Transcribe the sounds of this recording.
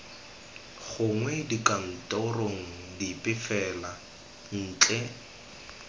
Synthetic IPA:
χʊŋwɛdikan̩tɔroŋ̩dipʼɪfɛla | n̩ːt͡ɬʼɛ

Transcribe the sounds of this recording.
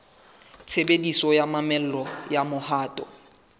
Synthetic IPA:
t͡sʰebedisɔjamamɛl̩lɔjamʊhaːtʼɔ

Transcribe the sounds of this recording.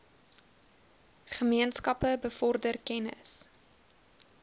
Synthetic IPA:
χəmiənskɐpəbəfɔrdərkɛnə̰s

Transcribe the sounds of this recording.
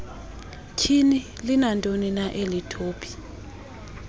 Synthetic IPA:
t͡ʃʰini | linantʼoninaʔelitʰoːpʰi̥

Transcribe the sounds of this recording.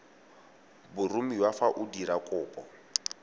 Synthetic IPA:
bʊrumiwafaʔudiɾakʼʊːpʼɔ

